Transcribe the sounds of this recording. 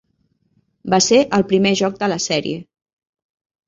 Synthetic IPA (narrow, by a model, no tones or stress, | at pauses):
baseʔəlˠpɾimeʒɔk̚d̪ələsɛɾḭe